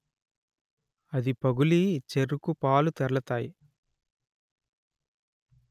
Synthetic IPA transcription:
ɐd̪ipɐɡulit͡ʃeɾukupaːlut̪ɛɾɐlɐt̪aːji

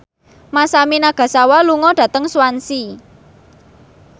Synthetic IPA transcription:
masaminaɡ̥a̤sawaluŋɔɖ̥ä̤t̪əŋsuwansi

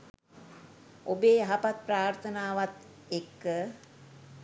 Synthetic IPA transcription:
obeːɦapat̪̚pɾaːɾt̪ʰənaːʋat̪ | ekːə

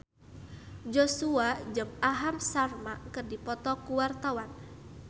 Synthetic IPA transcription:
d͡ʒɔsuad͡ʒɨmaɦamsarmakɨrdipɔt̪ɔkuwart̪awan

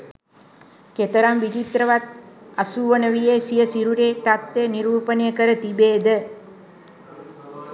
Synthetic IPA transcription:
ket̪əɾamʋit͡ʃit̪ɾəʋat̪̚ɐsuʋənəʋijeːsijəsiɾuɾeːt̪at̪ːeniɾuːpənjəkəɾət̪ibeːd̪ə

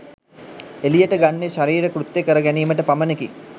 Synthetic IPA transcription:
elijəʈəɡanːeʃaɾiːɾəkɾut̪jekəɾəɡæniːməʈəpaməneki

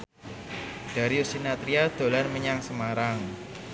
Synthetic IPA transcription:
d̥a̤ɾiusinat̪ɾiad̪̥o̤lanməɲaŋsəmaɾaŋ

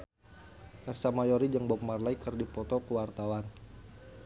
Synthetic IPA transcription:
ʔɛrsamajɔɾid͡ʒəŋbɔp̚marlaikərdipɔt̪ɔkəwart̪awan

